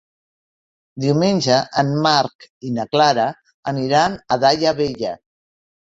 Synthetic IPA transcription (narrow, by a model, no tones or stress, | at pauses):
d̪iwmenʲʒəʔəmmaɾkinəklaɾə | əniɾanəðaʎəβeʎə